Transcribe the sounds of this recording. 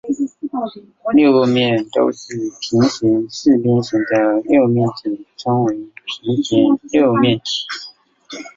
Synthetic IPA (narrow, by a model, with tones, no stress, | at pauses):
ljo˥˧ʊko˥˧mjɛ˥˩nt̪o̰˥ʊʂɻ̩˥˩pʰi˧˥ŋɕi˧˥ŋʂɻ̩˥˩pjɛ˥nɕi˧˥ŋt̪ə˥˧˩ljo˥˧mjɛ˥˩nt̪ʰi˨˩ʈ͡ʂa˥ŋwe˧˥ɪpʰi˧˥˦t͡ɕʰɛ˧˥nljo˥˧ʊmjɛ˥˩nt̪ʰi̥˨˩˦